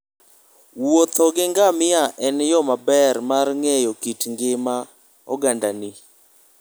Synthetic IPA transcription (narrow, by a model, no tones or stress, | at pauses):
wot̪ɔɡɪŋɡamɪaʔɛnjɔmabɛɾmarŋɛjɔkitŋɡɪma | ɔ̰ɡandani